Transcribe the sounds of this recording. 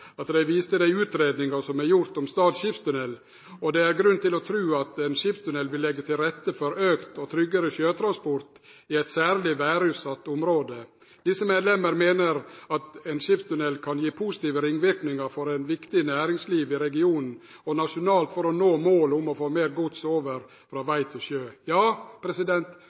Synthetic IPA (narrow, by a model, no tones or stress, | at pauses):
ɑt̪d̪æɪʋiːst̪əd̪æɪʉːt̪ɾeːd̪nɪŋɑsɔmæɾjʊɾt̪ɔmst̪ɑːd̪ɕɪfst̪ʉnɛlː | ɔd̪ɛæɾɡɾʉnːt̪ɪlɔt̪ʰɾʉːɑt̪ɛnɕɪfst̪ʉnɛlʋɪlːɛɡːət̪ʰɪlɾɛt̪ːəfɔɾøːkt̪ɔt̪ʰɾʏɡːəɾəɕøːt̪ʰɾɑnspɔɾt̪ | ɪɛɪt̪sæːɾlɪʋæːɾʉːt̪sɑt̪ːʊmɾoːd̪ə | d̪ɪsːəmeːd̪lɛməɾmeːnəɾɑt̪ɛnʂɪpt̪ʉnɛlkʰɑnjiːpʰuːsɪ̥t̪iːʋəɾɪŋːʋɪɾknɪŋəɾfɔɾɛnʋɪkt̪ɪnæːɾɪŋsliːʋɪɾɛɡɪuːnn̩ | ɔnɑʂʊnɑːlt̪fɔɾɔnoːmoːlʊmɔfoːmeːɾɡʊt̪soːʋəɾ | fɾɑːʋæɪt̪ʰɪlʃøːjɑːpʰɾɛsɪd̪ɛnt̪